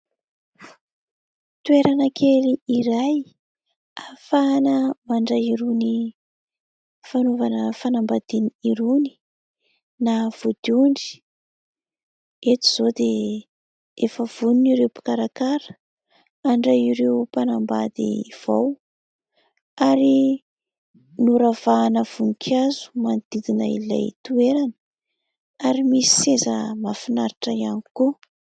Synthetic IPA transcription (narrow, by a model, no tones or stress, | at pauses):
t̪ueɾanakʰeliiɾaj | afanəmaɳɖ͡ʐaiɾuni | fanovanəfanambad̪iniiɾuni̥ | nav̥ud̪̥uɳɖ͡ʐi̥ | et̪i̥z̥od̪e | efəv̥uniniɾewpi̥kaɾakaɾə̥ | aɳɖ͡ʐaiɾewpanamba̰d̪ḭv̥aw | aɾi | nuɾav̥aːnəv̥unikʰazu̥manid̪̥id̪inə̰ḭla̰jt̪ueɾanə̥ | aɾimisi̥sezəmafinaɾiʈ͡ʂəianiku